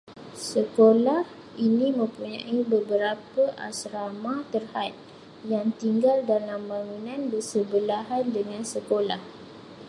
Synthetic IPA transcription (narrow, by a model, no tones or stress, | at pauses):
səkolah | inĩmə̃mpuɲã̰ʔibəbəɾapəʔa̰sɾamat̪ərhat̪̚ | jaŋt̪iŋɡaldalamːaŋunãnbərsəbəlaɦandəŋãnsəkola̰h